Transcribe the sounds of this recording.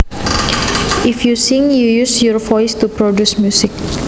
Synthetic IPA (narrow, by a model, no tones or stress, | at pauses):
ʔifjusiŋjujusjɔɹfɔjst̪upɾodusmjusɪk̚